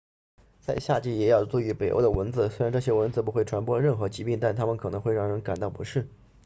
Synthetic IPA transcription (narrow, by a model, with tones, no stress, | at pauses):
t͡sa˥˧ɪɕja˥˧t͡ɕi˥˩jɛ˨˥jɑ˥˩ʊt͡swɔ˥˩y˧˥pe˨˩ɪo̰˥˧ʊd̪ə˧˩wə˧˥nd͡zɹ̩˧˦swe˥ɪɻa˧˥nʈ͡ʂɤ˥˧˩ɕjɛ˥wə˧˥nd͡zɹ̩˧˩p̬u˧˥xwe˥˩ɪʈ͡ʂʰwa˧˥npwɔ˥˧ɻə˥˩nxɤ˧˥t͡ɕi˧˥pi˥˩ŋt̪a˥˩nt̪ʰa˥mə˨nkʰɤ˨˩ɤ˧˥ŋxwe˥˧ɪɻɑ˥˩ŋɻə˧˥nka˨˩nt̪ɑ˥˩ʊpṵ˧˥ʂɻ̩˥˩